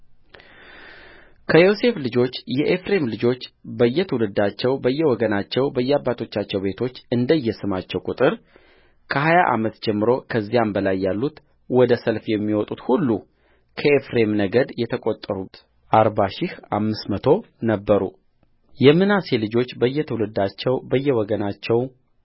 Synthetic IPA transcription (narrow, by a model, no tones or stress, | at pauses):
kʰəjo̞se̞flɨd͡ʒo̞t͡ʃːjɛʔefɾe̞mlɨd͡ʒo̞t͡ʃːbəjːɛt̪ʰəwulɨd̪ːat͡ʃːɛwbəjːɛwɔɡənat͡ʃːɛwbəjːɛabːat̪ʰo̞t͡ʃːat͡ʃːɛwbe̞t̪ʰo̞t͡ʃːɨnd̪əjːɛsɨmat͡ʃːɛwkʼut̪ʼɨɾ | kʰəɦajaʔa̰mət̪d͡ʒɛmːɨɾo̞kʰəzːijambəlajːalːut̪ | wɔd̪əsəlfjɛmːiwɔt̪ʼut̪hulːu | kʰəefɾe̞mnəɡəd̪jɛt̪ʰəkʼot̪ʼːəɾut̪ | ʔaɾbaʃɪhamːɨsmət̪ʰo̞ | nəbːəɾṵ | jɛmːɨnase̞lɨd͡ʒo̞t͡ʃːbəjːɛt̪ʰəwulɨd̪at͡ʃːɛwbəjːɛwɔɡənat͡ʃːɛw